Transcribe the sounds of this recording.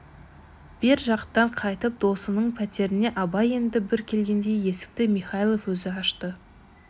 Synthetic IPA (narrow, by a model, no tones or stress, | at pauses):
b̥eɾʒɑqt̪ːɑɴqʰɑjt̪əp̚d̪̥o̞sənəɴpʰæt̪e̞ɾɪne̞ʔɑbɑje̞nd̪ɪbɪɾkʲʰe̞lɡʲe̞nd̪e̞je̞sɪ̥k̚t̪ɪmiχɑjlˠofwɵzɪɑʃt̪ə